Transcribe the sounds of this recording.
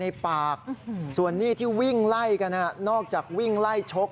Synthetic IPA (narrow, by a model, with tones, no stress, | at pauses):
na˧jpaː˨˩k̚su˨˩ənːiː˥˩t̪ʰiː˥˩wi˥˩ŋla˥˩jka˧nːa˥˩nɔː˥˩k̚t͡ɕaː˨˩k̚wi˥˩ŋla˥˩jt͡ɕʰo˦˥k̚